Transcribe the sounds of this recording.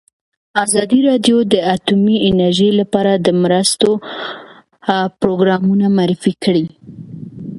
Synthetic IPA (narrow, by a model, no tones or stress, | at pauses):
azɑd̪iɾɑd̪jod̪əat̪umiɪnaɾʒejlapɑɾad̪əmɾəst̪o | pɾoɡɾɑmunamaɾɪfikəɽi